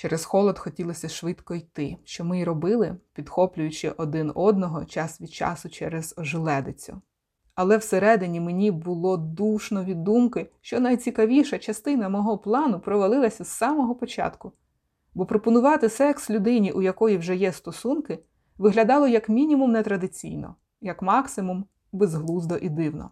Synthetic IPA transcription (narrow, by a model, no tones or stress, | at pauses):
t͡ʃɛɾesxɔlˠɔd̪xɔtʲilˠɔsʲɐʃʋɪt̪kɔijt̪ɪʃt͡ʃɔmɪɾɔbɪlˠɪpʲid̪xɔplʲʊjʊt͡ʃɪʔɔd̪ɪnɔd̪nɔɦɔt͡ʃɑsʋʲid̪̥̚t͡ʃɑ̰sʊt͡ʃɛɾez̥ɔʒɪlˠɛd̪ɪt͡sʲʊ̰ | ɐlˠɛwseɾɛd̪ɪnʲimenʲibʊlˠɔd̪uʃnɔʋʲid̪umkɪʃt͡ʃɔnɐjt͡sʲikɐʋʲiʃɐt͡ʃɐst̪ɪn̪ɐmɔɦɔplˠɑnʊpɾɔʋɐlˠɪlˠɐsʲɐzːɑmɔɦɔpɔt͡ʃɑ̰t̪kʊ | bɔpɾɔpɔnʊʋɑt̪ɪsɛkslʲʊd̪ɪnʲiʔujɐkɔjiwʒɛjɛst̪ɔsunkɪ | ʋɪɦlʲɐd̪ɑlˠɔjɐkmʲinʲimumnɛt̪ɾɐd̪ɪt͡sʲḭjnɔ̰ | jɐkmɑksɪmum | bezɦlˠuzd̪ɔʔid̪ɪwnɔ̰